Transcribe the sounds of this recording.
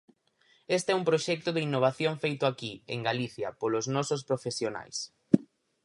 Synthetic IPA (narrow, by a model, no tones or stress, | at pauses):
est̪ɛumpɾoʃɛk̚t̪ʊðeinːoβ̞aθjoŋfejt̪ʊakiḛŋɡaliθjɐpolʊznɔsospɾofesjona̰js